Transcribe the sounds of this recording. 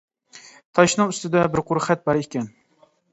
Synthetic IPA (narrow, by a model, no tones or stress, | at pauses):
t̪ʰɑʃnɨŋyst̪ɪd̪ɛbɪɾqʰʊɾχɛt̪̚bɑɾekʲɛn